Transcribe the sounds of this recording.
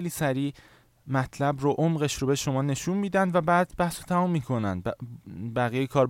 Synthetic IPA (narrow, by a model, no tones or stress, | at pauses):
ejliːsæɾiː | mæt̪ʰlæbɾoʔomɢe̞ʃɾobe̞ʃo̞mɒːne̞ʃunmiːd̪ænd̪væbæːd̪̚bæhsot̪ʰæmumːiːkʰo̞næ̰nd̪̚bbæɣijejekʰɒːɾ